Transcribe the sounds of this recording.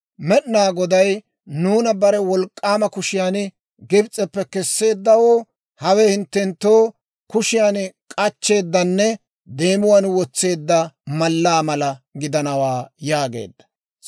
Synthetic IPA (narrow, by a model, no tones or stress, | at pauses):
mɛɗnaːɡɔd̪ɐj | nuːnɐbɐɾɛwɔlkʼːaːmɐkʊʃɪjaːn | ɡɪbt͡sʼɛpːɛkɛsːe̞ːd̪ːɐwoː | hɐwɛhɪnt̪ːɛnt̪ːoː | kʊʃɪjaːnkʼɐt͡ʃːe̞ːd̪ːɐnːɛ | d̪e̞ːmʊwanwɔt͡sːe̞ːd̪ːɐmɐlːaːmɐlɐɡɪd̪ɐnɐwaːjaːɡḛːd̪ːɐ̥